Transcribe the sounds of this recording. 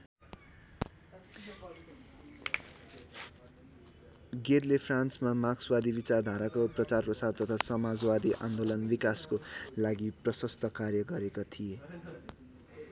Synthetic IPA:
ɡerlepʰransmamakswad̪ibit͡sard̪ʱaɾakoprʌt͡sarprʌsart̪ʌt̪ʰasʌmad͡zwad̪iʔa̰nd̪olʌnbikaskolaɡiprʌsʌst̪ʰʌkarjʌɡʌɾekat̪ʰije

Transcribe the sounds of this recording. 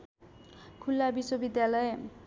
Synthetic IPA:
kʰulːabiswobid̪jalʌj

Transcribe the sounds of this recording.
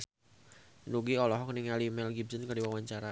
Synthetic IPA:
nuɡiɔlɔɦɔk̚niŋalimɛlɡibsənkərdiwawaɲt͡ʃaɾa

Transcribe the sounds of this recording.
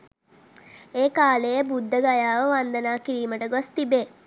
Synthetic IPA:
eːkaːlejəbud̪ʱːəɡajaːʋəʋand̪ənaːkiɾiːməʈəɡost̪ibeː

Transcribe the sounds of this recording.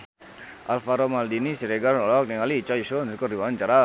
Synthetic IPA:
ʔalfaɾɔmaldinisiɾɛɡalnɔlɔk̚niŋaliːt͡ʃaisɔnsukɔriwaant͡ʃaɾa

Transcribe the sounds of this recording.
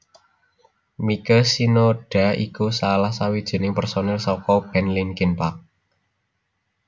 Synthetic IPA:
mikəsinoɖ̥a̤ḭkusalahsawid̥ʒ̥i̤nɪŋpərsonɛlsɔkɔb̥ɛnlinkɪnpak̚

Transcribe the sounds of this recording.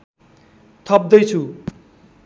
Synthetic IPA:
t̪ʰʌp̚d̪ʌjt͡sʰu

